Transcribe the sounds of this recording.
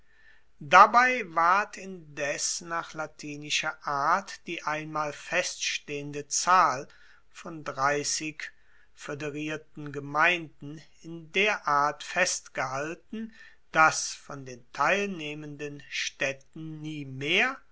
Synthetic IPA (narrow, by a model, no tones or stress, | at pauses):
dabaɪvaɐtʰɪndɛsnaːχlatʰiːnɪʃɐʔaːɐtd̥iːʔaɪnmaːlfɛstʃteːəndət͡saːl | fɔndʁaɪsɪk | fødeʁiːɐtn̩ɡəmaɪndn̩ | ɪndeːɐʔaːɐtfɛstɡ̥əɦaltn̩ | d̥asfɔndeːntʰaɪlneːməndənʃtɛtn̩ːiːmeːɐ